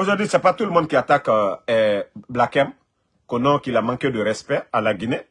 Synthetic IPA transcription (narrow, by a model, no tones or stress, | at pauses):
oʒɔʁd̪ɥisɛpat̪uləmɔ̃d̪̚kʲiat̪akɛblakɛ̃m | kõnɔ̃kilamɑ̃ked̪əɾɛspɛalaɡine